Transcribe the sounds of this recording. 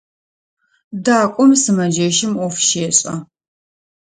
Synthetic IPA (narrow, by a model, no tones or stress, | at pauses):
daːkʷʼɔmsɨmɐd͡ʒɐʃɪmɔfʃeːɕʼɐ